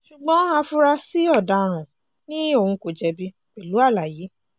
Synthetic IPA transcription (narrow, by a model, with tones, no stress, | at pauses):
ʃu˨ɡ͡bɔ̃˨˦hã˧fu˧ɾa˧si˦ɔ˦˨da˧ɾ̃ã˨ | nĩ˦o˦˨hũ˧ko˨d͡ʒɛ˧bi˦ | k͡pɛ˨lu˨˦a˦˨la˨jiː˨˦